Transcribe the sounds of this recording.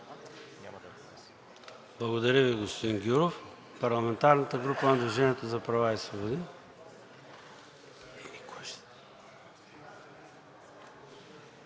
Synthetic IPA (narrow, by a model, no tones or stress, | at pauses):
a | blˠɐɣʊd̪ɐɾəviɡʊspʊd̪iŋɡʲuɾof | pɐɾlˠɐmɛ̃nt̪aɾnət̪əɡɾupãnd̪uʒɛnɛt̪ʊzɐpɾɐvaisvˠobod̪in | inikɔɛʃt̪